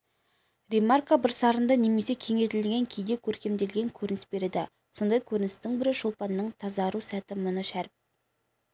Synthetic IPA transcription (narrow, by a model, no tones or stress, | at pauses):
ɾemarkabɪɾsɑɾənd̪ɑne̞me̞se̞kʲʰe̞ŋe̞t̪ɪlɡʲe̞ŋkʲʰe̞jd̪e̞kʲʰɵɾkʲe̞md̪e̞lɡʲe̞ŋkʲʰɵɾɪnɪ̥sbe̞ɾed̪ɪ | so̞nd̪ɑjkʲʰɵɾɪnɪst̪ɪŋbɪɾɪʃolˠpɑnːəɴt̪ʰɑzɑɾusæt̪ɪmʊnəʃæɾp̚